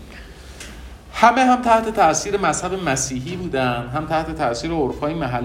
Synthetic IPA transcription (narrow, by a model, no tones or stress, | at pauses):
hæmeɦæmt̪ʰæht̪e̞t̪ʰæʔsiːɾemæshæbemæsiːɦiːbuːd̪ænd̪ɦæmt̪ʰæht̪ʰe̞t̪ʰæsiːɾeoɾfɒːjimæɦælː